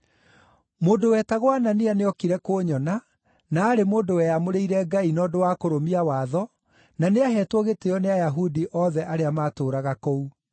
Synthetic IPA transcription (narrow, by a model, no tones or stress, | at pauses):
moːdowɛːtaɣwananeaneɔkiɾɛkoːɲɔna | naːɾemoːndowɛjamoɾeiɾɛɡainɔdowaːkoɾomiawaðɔ | naneaɦɛːtwɔɣeteɔneajaɦudiʔɔðɛʔaɾeamaːtoːɾaɣakou